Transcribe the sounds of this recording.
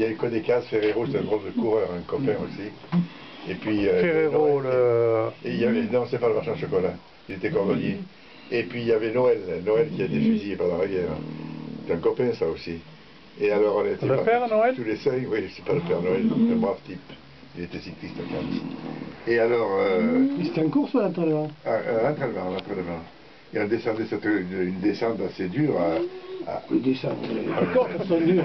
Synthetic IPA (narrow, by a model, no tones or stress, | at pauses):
iljaykɔd̪ekazfeʁeʁoset̪ɛɛ̃ɡʁɔld̪əkuʁœʁɛ̃kɔpɛ̃osi | epɥiøffeʁeʁoləeiljavɛnɔ̃se̥t̪ɛpaləmaʁʃɛ̃ʃɔkɔla | ilet̪ɛkɔʁd̪ɔlje | epɥiiljavɛnɔɛlnɔɛlkʲiavɛd̪efyzijepaʁlaʁivjɛːʁ̰̃se̥t̪ɛɛ̃kɔpɛ̃saosi | ealɔʁɔ̃net̪elpapɛʁnoɛlt̪ulesɛ̃jwiʒsɛ̥paləpɛʁnoɛld̪ɔ̃k̪ɛ̃mwaft̪ip | ilet̪ɛsik̪list̪akɑ̰̃siealɔʁøse̥t̪ɛ̃kuʁsaɑ̃t̪ɛlmɑ̃ɛ̃t̪χɛlmɑ̃lɑ̃t̪χɛnəmɑ̃ | eɔ̃nd̪esɑ̃d̪ɛsɛt̪əynynd̪esɑ̃t̪ased̪yʁaa̰d̪esɑ̃t̪ɑ̃kɔʁsɔ̃d̪y